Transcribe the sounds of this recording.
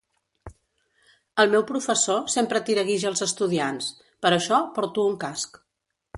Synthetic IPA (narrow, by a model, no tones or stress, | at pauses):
əlˠmɛwpɾufəsosempɾət̪iɾəɣiʒəːlˠzəst̪uðians | pəɾəʃɔpɔɾt̪uːŋkask